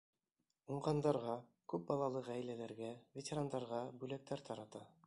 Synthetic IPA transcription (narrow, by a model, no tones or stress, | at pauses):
uɴʁɑnd̪ɑɾʁɑ | kʉp̚bɑlˠɑlˠɤʁæjlælæɾɡævʲetʲeɾand̪ɑɾʁɑbʉlæk̚t̪æɾt̪ʰɑɾɑt̪ɑ